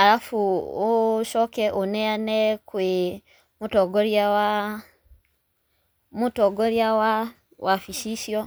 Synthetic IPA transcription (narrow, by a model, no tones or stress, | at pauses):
aɾafuː | ʃɔːkɛʔonɛanɛkwe | motɔɡɔɾjawa | motɔːɡɔɾjawa | wafiʃiʃjɔ